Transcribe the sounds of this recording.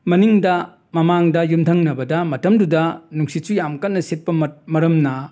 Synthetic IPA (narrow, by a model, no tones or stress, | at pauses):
mɐniŋdɐ | mɐmaŋdɐjumtʰɐŋnɐbɐdɐmɐtɐmdudɐnuŋsisujamkɐnːɐset̚pɐmɐɾɐmnɐ